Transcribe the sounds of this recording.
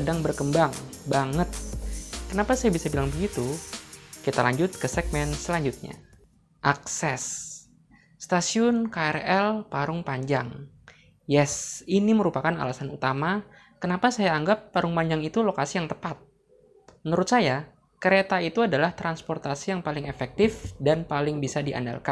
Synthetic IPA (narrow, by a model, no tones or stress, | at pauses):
sədaŋbərkəmbaŋbaŋət̪̚kənapasajabisabilaŋbəɡit̪u | kit̪ala̰ɲd͡ʒʊt̪̚kəsɛɡ̚mɛnsəlaɲd͡ʒut̪̚ɲa̰ | ʔaksɛsː | t̪asiʊnkaɛrɛlpaɾʊŋpaɲd͡ʒaŋ | jɛsiniməɾupakana̰lasanut̪ama | kənapasajaːŋɡapːaɾʊŋpaɲd͡ʒaŋit̪ulokasijaŋt̪əpat̪̚ | mənəɾʊt̪̚saja | kəɾet̪ait̪uadalaht̪ɾanspɔrt̪asijaŋpalɪŋefɛk̚t̪ɪfdanpalɪŋbisadia̰nda̰lkan